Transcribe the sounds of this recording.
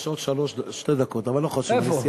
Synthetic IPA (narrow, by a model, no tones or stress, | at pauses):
ʃot̪ʃaloʃʃted̪akot̪avalːoχoʃefosi